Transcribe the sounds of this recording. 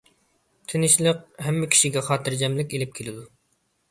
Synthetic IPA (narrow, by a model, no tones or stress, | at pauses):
t̪ʰɪnɪʃlˠəq̚hɛmːɪkʲʰi̥ʃiɡʲɛχɑːt̪ɨɾd͡ʒɛmlɪkʲelɪp̚kʲʰelɪd̪u